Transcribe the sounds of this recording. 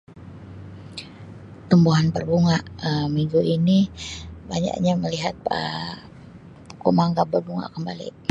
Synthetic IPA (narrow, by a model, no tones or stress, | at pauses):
t̪əmbuɦanpərbuŋaʔəmiŋɡuʔinibaɲa̰ʔɲaməliɦat̪̚ə̰ | komaŋɡabərbuŋa̰kəmbalḭ